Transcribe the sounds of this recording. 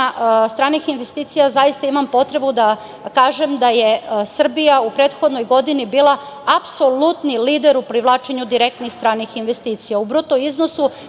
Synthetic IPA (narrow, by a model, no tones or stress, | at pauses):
st̪ɾaːnixinʋe̞st̪iːt̪sijazajist̪aimampo̞t̪ɾe̞bud̪a | kaːʒe̞md̪ajesr̩bijaupɾeːt̪xod̪no̞jɡo̞d̪inibiːla | apso̞lut̪niliːd̪eɾupɾiʋlˠaːt͡ʃeɲud̪iɾe̞k̚t̪nixst̪ɾaːnixinʋest̪iːt̪sijaubɾut̪o̞iznosu